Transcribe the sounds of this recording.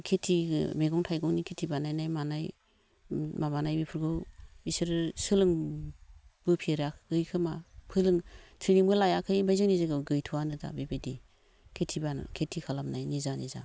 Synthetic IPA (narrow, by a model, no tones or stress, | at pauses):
kʰetʰimeɡɔŋtʰajɡɔŋnikʰetʰibanajnajmanaj | mamanajbipʰɯɾɡɯwisɯɾsɯlɯŋ | b̥ɯpʰiɾakɡɯjkʰɯmapʰɯlɯŋtʰinibɯlajakʰɯjmajzɯŋnizaɡɯɡɯjtʰuwanɯda̰bebedi | kʰetʰiban̰kʰetʰikʰalamnajnizaniza̰